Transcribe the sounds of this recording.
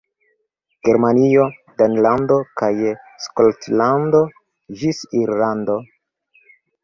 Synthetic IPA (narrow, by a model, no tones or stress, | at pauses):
ɡ̥e̞ɾmanio̞danlando̞kaj | skoltlando̞ | d͡ʒisiɾlando̞